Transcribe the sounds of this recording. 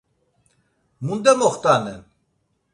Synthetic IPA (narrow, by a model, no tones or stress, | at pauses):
mund̪ɛmɔχt̪anɛn